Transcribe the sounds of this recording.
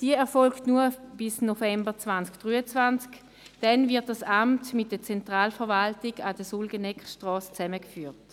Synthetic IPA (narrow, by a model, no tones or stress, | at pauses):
d̥iəɛɐfɔlktnuɐb̥ɪsnofɛmbət͡sv̥ant͡skd̥ʁyːət͡svant͡sk | d̥ɛnvɪt̚d̥asamtmɪt̚d̥ət͡sɛntʁaːlfɛɐʁvaltɪɡadəsulɡənɛkχʃtʁɔːst͡sɛməkfyːɐt